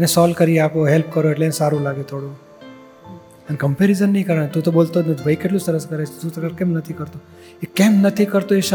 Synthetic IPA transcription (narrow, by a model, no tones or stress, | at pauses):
ənesɔlkəɾiapoɦelpkəɾoeʈlensaɾũlaɡet̪ʰoɽu | ənkəmpeɾizənːĩkəɾəɳ̃et̪ũt̪obolt̪onebəikeʈlũsəɾəskəɾet͡ʃʰot̪ũt̪kəɾkẽmnət̪ʰikəɾt̪o | ekemnət̪ʰikəɾt̪oeʃ